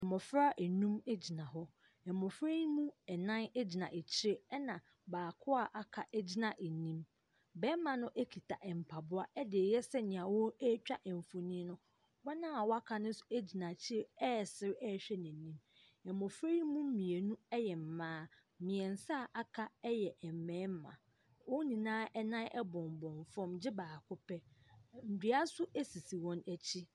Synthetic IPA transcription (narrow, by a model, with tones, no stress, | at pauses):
ɛ˨mɔ˨fɾa˦ʔe˨nũ˦me˦d͡ʑi˨nã˨ɦɔ˦ | ɛ˨mɔ˨fɾe˦jmũ˦ɛ˨nã˦n˦d͡ʑi˨nã˨ʔe˨t͡ɕʰɪ˦ɾe˦ɛ˦nã˨ | baː˨kʰʊ˦a˦˨ʔa˨kʰa˨ʔɛ˦d͡ʑi˦nã˨ʔe˨nĩ˦m | bɛ˦mã˨nʊ̃˦ʔe˦kʰi˨tʰa˨ʔɛ˨m̩˨pʰa˨bʊ˦a˦ɛ˦dɪ˨e˨jɛ˦sɛ˦ɲɪ̃˨ã˨wɔ˦ɛ˦t͡ɕᶣa˦ʔɛ˨m˨fo˨nĩ˦nʊ̃˦ | wa˦nã˦a˨wɔ˦a˦kʰa˨nʊ̃˦n̩˦sʊ̥˨e˦d͡ʑi˨nã˨t͡ɕʰɪ˦ɾe˦ɛ˦˨sɪ˦ɾɛ˦˨ɕᶣɛ˦nɪ̃˨nĩ˦m | ɛ˨mɔ̃˨fɾe˦i˦mũ˦m̩˦mĩ˨e˨nũ˦ɛ˦jɛ˨m̩˨mãː˦ | mɪ̃˨ɛ̃˨n̩˨sa˦˨ʔa˦kʰa˦ɛ˦jɛ˨ʔɛ˨m˨mɛ̃ː˨˦m̩˦mã̰˨ | wɔ˦nĩ˨nãː˦ʔɛ˦nã˦ʔɛ˦bɔ̃˨m˨bɔ̃˨ɱfɔ̃˦md͡ʑɪ˦baː˨kʰʊ˦pʰɛ˦n̩˨di˨˦a˦sʊ˦e˦si˨si˨wɔ̃˦næ˨t͡ɕʰi˦